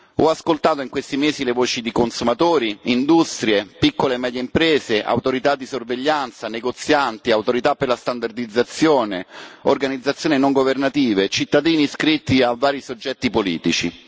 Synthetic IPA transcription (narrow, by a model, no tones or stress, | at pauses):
ɔaskolt̪aːt̪oiŋkwest̪imeːzilevoːt͡ʃid̪ikonsumat̪oːɾiind̪ust̪ɾjepikːolemɛːd̪jeimpɾeːzeʔa̰wt̪oɾit̪ad̪ːisorveʎːant̪saneɡot̪sjant̪iawt̪oɾit̪apːerlast̪and̪ard̪id̪zːat̪sːjoːneo̰rɡanid̪zːat̪sːjoːninoŋɡovernat̪iːvet͡ʃit̪ːad̪iːniskɾit̪ːiavːaːɾisod͡ʒːɛt̪ːipolḭːt̪it͡ʃḭ